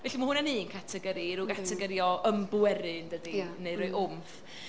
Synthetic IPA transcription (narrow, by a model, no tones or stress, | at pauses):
vɛɬimahʊnaninkʰatʰɛɡəɾiɾuɡatʰɛɡəɾjɔəmbwɛɾɪndədineɨɾɔɨʔʊmf